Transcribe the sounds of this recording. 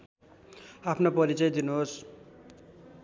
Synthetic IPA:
apʰnopʌɾit͡sʌjd̪inuɦos

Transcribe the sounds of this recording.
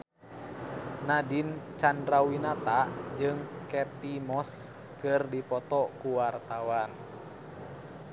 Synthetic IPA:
nadint͡ʃandɾawinat̪aʔd͡ʒɨŋkɛp̪imɔs | kɨrdipɔt̪ɔkuwart̪awan

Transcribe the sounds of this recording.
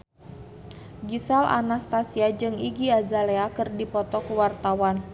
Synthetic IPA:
ɡisalʔa̰nast̪asiad͡ʒɨŋiɡiazaleakɨrdipɔt̪ɔkəwart̪awan

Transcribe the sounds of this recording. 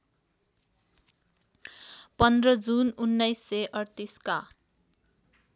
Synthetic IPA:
pʌnd̪rʌd͡zununːʌjsːeʔʌrt̪iska

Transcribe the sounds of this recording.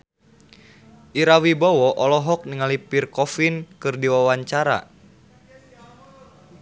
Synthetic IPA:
ʔiɾawibɔwɔʔɔlɔɦɔk̚niŋalipirkɔfinkɨrdiwawaɲt͡ʃaɾa̰

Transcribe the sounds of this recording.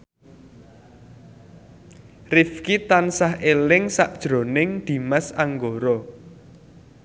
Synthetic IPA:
rifkit̪ansaɦʔelɪŋsaʔd̥ʒ̥ɾo̤nɪŋd̪̥i̤masaŋɡoɾɔ

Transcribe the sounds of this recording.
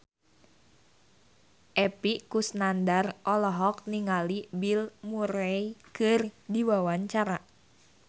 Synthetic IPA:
ʔɛpiʔkusnandarʔɔlɔɦɔk̚niŋalibilmuɾɛikɨrdiwawaɲt͡ʃaɾa

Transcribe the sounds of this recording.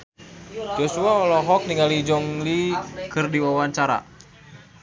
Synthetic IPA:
d͡ʒosuaɔlɔɦɔk̚niŋalid͡ʒɔŋlikɨrdiwawaɲt͡ʃaɾa̰

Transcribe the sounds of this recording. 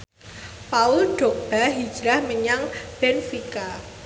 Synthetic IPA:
paʊlɖ̥ɔ̤k̚b̥aɦi̥d͡ʒɾahməɲaŋb̥ɛnfika

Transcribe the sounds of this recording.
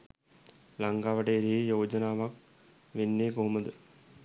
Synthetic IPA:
laŋɡaːʋɐʈeːɾiijoːd͡ʒɐnaːʋɐk̚ | ʋenːeːɡoɦumɐd̪ɨ

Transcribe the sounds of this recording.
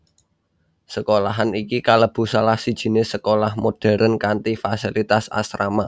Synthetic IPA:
səkolaɦanikikaləb̥ṳsalahsid̥ʒ̥i̤nesəkolahmoɖ̥ɛ̤ɾʔənkant̪ifasilit̪asa̰sɾama

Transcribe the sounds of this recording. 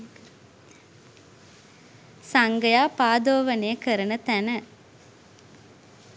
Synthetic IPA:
saŋɡəjaːpaːd̪oːʋənejəkəɾənət̪ænə

